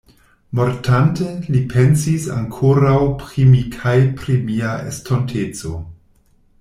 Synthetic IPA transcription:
moɾtʰantelipʰensisa̰ŋkʰoɾawpɾimikʰajpɾimiaḛstʰontʰet͡so̞̰

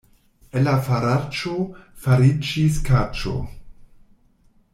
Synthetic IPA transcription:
elafaɾat͡ʃofaɾid͡ʒiskat͡ʃo̰

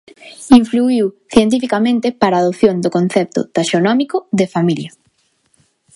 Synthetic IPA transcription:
iɱfluiwθjent̪̬ifikamẽnt̪epaɾaːðopθjoŋd̪ʊkõn̟θɛp̚t̪ʊ̰t̪aʃonɔmikʊðefamiljɐ

